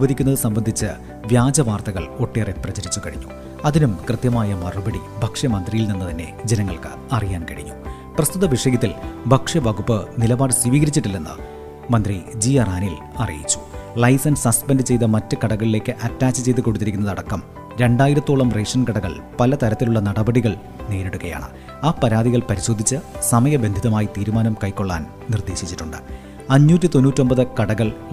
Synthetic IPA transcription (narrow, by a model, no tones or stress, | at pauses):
uʋɐd̪ʱikʲːunːɐðɨsɐmbɐnd̪ʱit͡ɕːɨ | ʋjaːd͡ʑɐʋaːrt̪ɐɣɐ̰ɭo̞ʈːeːreprɐt͡ɕɐɾit͡ɕːukɐɻiɲːṵ | ɐðinumkrɨt̪jɐmaːjɐmɐrubɐɽibʱɐkʂɐmɐnd̪rijilninːɨt̪ɐnːe̞̰d͡ʑenɐŋːɐɭkɨ̥̰ | ɐrijaːnkɐɽiɲːu | prɐst̪ut̪ːɐʋiʂɐɡɐt̪ːilbʱɐkʂɐʋɐɡupːɨnilɐbaːɽɨswiʋiːɡɐɾit͡ɕːiʈːilːenːɨ̰ | mɐnd̪rid͡ʑiːɐraːnil | ɐ̰rḭjḭt͡ɕːu̥ɭɐjsɐnsɐspendɨt͡ɕe̞jt̪ɐmɐtːɨkɐɽɐɣɐɭile̞ːkːɨʔɐtːaːt͡ɕːɨt͡ɕe̞jt̪̬ːɨko̞ɽut̪ːiɾikʲːunːɐðɐɽɐkːɐm | ɾe̞ɳɖaːjiɾɐt̪ːoːɭɐmreːʂɐnkɐɽɐɣɐ̰ɭ | pɐlɐt̪ɐɾɐt̪ːiluɭːɐnɐɽɐbɐɽiɣɐɭ | ne̞ːɾeɽukːɐja̰ːɳɨ̰ | aːpːɐɾaːd̪iɣɐɭpɐɾiɕo̞ːd̪ʱit͡ɕːɨsɐmɐjɐbe̞nd̪ʱiðɐmaːjit̪iːɾumaːnɐmkɐjkːo̞ɭːa̰ːn | nird̪e̞ːɕit͡ɕːiʈːuɳɖɨ̰ | ɐɲːuːtːit̪o̞nːuːtːio̞mbɐðɨkɐɽɐɣɐɭ